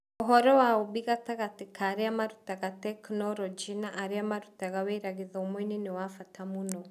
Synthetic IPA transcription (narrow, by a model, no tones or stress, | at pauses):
ɔɦɔɾɔwaoβiɣataɣatekʰaɾeamaɾutaɣatɛknɔɾɔd͡ʒinaʔːɾiamaɾutaɣawɛɾaɣiðɔomwɛninewafatamunɔ